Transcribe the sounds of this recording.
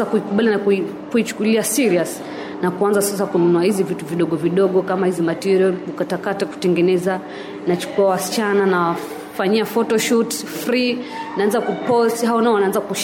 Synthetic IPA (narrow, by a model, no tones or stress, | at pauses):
akuikuɓalinak | kuit͡ʃu̥kuliasiɾias | nakuanzasas̬akununuahizivituviɗɔɠɔviɗɔɠɔkamahizimatɛɾiɔlɓukatakatɛku̥tɛŋɡɛnɛza | nat͡ʃu̥kuawasi̥t͡ʃananawa | faɲiafɔtɔʃut | fɾinaanzakupɔthaɔnaɔwanaanzakuʃ